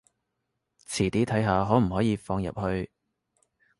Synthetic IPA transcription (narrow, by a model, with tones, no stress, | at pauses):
t͡sʰiː˨˩t̪iː˨˥t̪ʰɐ˨˥jɦaː˨˧ɦɔː˨˥m̩˨˩ɦɔː˨˥jiː˨˧fɔː˧ŋjɐ̰˨p̚hɵ˧ɥ